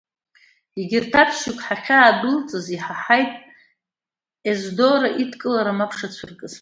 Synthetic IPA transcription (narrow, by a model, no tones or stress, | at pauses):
iɡʲɪrtʰapʰʃɪkʷʰʼħaχʲaːdɨlt͡sʼɨziħaħajtʼ | ezdoɾaʔitʰkʼɨlaɾamapʰʂat͡ɕʷʰʊrkʼɨz